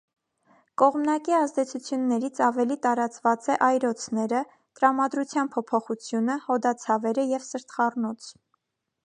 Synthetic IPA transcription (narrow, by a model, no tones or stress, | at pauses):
kɔʁmnɑkiɑzd̪ɛt͡sʰut͡sʰjunːɛɾit͡sʰɑvɛlit̪ɑɾɑt͡svɑt͡sɛʔɑjɾɔt͡sʰnɛɾə | t̪əɾɑmɑd̪ɾut͡sʰjɑnpʰɔpʰɔχut͡sʰjunəhɔd̪ɑt͡sʰɑvɛɾəjɛvsəɾt̪χɑrnɔt͡sʰ